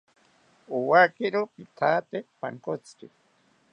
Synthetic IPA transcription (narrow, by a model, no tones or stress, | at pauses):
uwakiɾopit̪ʰaːt̪epa̰ŋkot͡sɾḭ